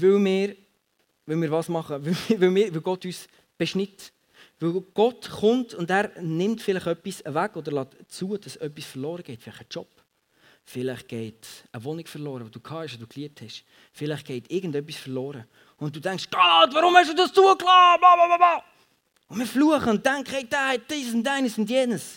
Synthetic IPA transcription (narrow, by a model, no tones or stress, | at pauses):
vɪlmɪːɾ | vɪlmɪːɾvɑːsmɑχəvɪʋɪwmɪːɾʋɪlɡɔtyːs | b̥ɛʃnɪt | vɪwɡ̥ɔtχʊntʊndæːɾnɪmtfɪlɪχœpːisəvæɡɔd̪əɾlɑːtt͡suəd̥ɑsœpːisfəɾlɔːɾəɡ̥ɛɪtfɪlɪχət͡ʃɔp | fɪlɪχɡ̥ɛɪtəvonikfəɾlɔːɾəvod̥uːkʰɑːhɛʃod̥uːkliəp̚thɛʃ | fɪlɪχɡ̥ɛɪtɪɡən̩dœp̬ːisfəɾlɔːɾə | ʊn̚d̥uːtæŋkʃɡ̥ɑːtvɑɾʊmhɛʃ̬d̥uːdɑst͡suəklɑːbɑbɑbɑbɑ | ʊnmɪːɾfluəχəʊnttːæŋkχəhɛɪd̥aːhɛt̚d̥iːsʊndæɪnəsʊndjeːnəs